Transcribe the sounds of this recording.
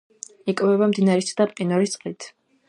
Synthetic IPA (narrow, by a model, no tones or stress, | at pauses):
ikʼvɛβamd̪inaɾisʰd̪ap̪ʼqʼinɔɾit̪sʼqʼlit̪ʰ